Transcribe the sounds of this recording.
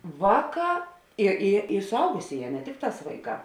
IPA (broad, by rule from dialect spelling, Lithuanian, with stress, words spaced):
ˈʋɑːˌkɑː ɪ ɪ ɪ sʊˈɐʊɡʊsʲeːˌjɛː nʲɛ ˈtʲɪkˌtɑːs ˈʋɐɪˌkɑː